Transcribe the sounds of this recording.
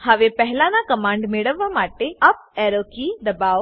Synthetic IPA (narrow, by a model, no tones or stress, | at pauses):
hɐʋepɛɦlãnakɐmãːɳɖmeɽəʋːamaːʈeɐp̚ɛːɾokid̪ɐbaː